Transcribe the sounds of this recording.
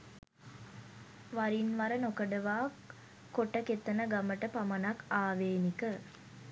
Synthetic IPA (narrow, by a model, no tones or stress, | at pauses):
ʋaɾinʋaɾənokəɖəʋaːkː | oʈəket̪ːənəɡaməʈəpamənakaːʋeːnikə